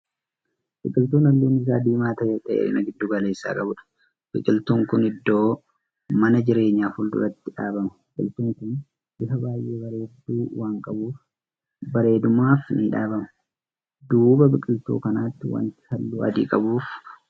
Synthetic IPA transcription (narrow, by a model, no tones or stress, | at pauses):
bɪkʼɪlt̪uːnɐlːuːnɪs̬a̰ːd̪iːmaːt̪ɐjɛᶑʼɛ̰ɪnɐɡɪd̪ːuːɡɐle̞ːsːa̰ːkʼɐbʊᶑɐ̥ | b̥ɪkʼɪlt̪uːŋkʊnɪd̪ːo̞ː | mɐnɐd͡ʒɪɾe̞ːɲːaːfʊld̪ʊ̰ɾɐt̪ːɪᶑaːbɐmɐbɪkʼɪlt̪uːŋkʊn | ʔɪfɐbaːjʔe̞ːbɐɾe̞ːd̪ːuːwaːŋkʼɐbuːf | bɐɾe̞ːd̪ʊmaːfnɪᶑaːbɐmɐ | d̪uːbɐbɪkʼɪlt̪ṵːkɐnaːt̪ːɪwɐ̰nt̪ɪ̥hɐlːṵːʔɐ̰d̪ḭːkʼɐbuːf